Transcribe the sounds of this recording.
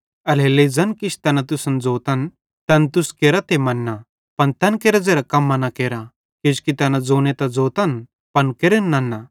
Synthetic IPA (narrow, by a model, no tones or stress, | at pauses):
ɐleled͡zɐnkit͡ʃʰt̪ɐnɐt̪ʊsɐnd͡zoːt̪ɐn | t̪ɐnt̪uskeːɾat̪emɐnːa | pɐnt̪ɐnkeɾɐd͡zeːɾakɐmːanɐkeːɾa | ked͡ʒkit̪ɐnɐd͡zoːnet̪ɐd͡zoːt̪ɐn | pɐnkeɾənːɐnːa